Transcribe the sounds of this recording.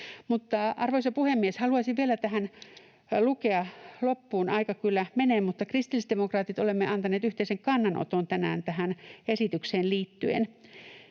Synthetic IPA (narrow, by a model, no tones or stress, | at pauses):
mut̪ːɑɑrʋoisɑpuhemːieshɑluɑsiʋʋielæt̪æhæn | lukeɑlopːuːnɑikɑkylːæmeneːmmut̪ːɑkrist̪ilistd̪emokrɑːt̪it̪olemːeʔɑnt̪ɑneːt̪yht̪eiseŋkɑnːɑnʔo̰t̪ont̪ænæ̰ːnt̪æhænesit̪ykseːnliːt̪ːyḛn